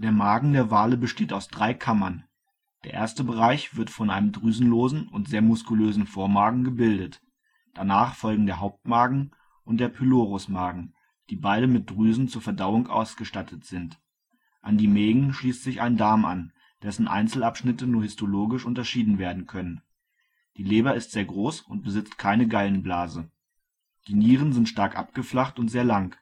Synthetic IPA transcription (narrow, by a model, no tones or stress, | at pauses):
d̥eːɐmaːɡŋ̩deːɐvaːləbəʃteːtaʊsd̥ʁaɪkʰamɐn | d̥eːɐʔḛːɐstəbəʁ̞aɪçv̥ɪɐtfɔnʔaɪnəmdʁyːzn̩loːzn̩ʊntz̥eːɐmʊskuløːzn̩foːɐmaːɡŋ̩ɡəbɪldət | d̥anaːχfɔlɡŋ̩deːɐɦaʊp̚tmaːɡŋ̩ | ʔʊnt̚d̥eːɐpʰyloːʁʊsmaːɡŋ̩ | d̥iːbaɪɾəmɪt̚d̥ʁyːzn̩t͡suːɐfɛɐdaʊʊŋʔa̰ʊsɡ̥əʃtatʰətz̥ɪnt | ʔandiːmeːɡŋ̩ʃliːstz̥ɪça̰ɪndaɐma̰n | d̥ɛsn̩ʔa̰ɪnt͡sl̩apʃnɪtənuːɐhɪstoloːɡɪʃʔʊntɐʃiːdn̩veːɐdn̩kʰœnən | d̥iːleːbɐɪstz̥eːɐɡʁoːsʊnt̚b̥əzɪt͡stkʰaɪnəɡaɪlən̩blaːzə | d̥iːniːʁ̞ənzɪntʃtaɐkʔa̰p̚ɡ̥əflaχtʊntz̥eːɐlaŋk